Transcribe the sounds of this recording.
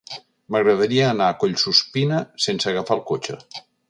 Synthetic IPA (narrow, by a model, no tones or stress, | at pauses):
məɣɾəðəɾiəːnaːkoʎsuspinəsensəɣəfalˠkot͡ʃə̰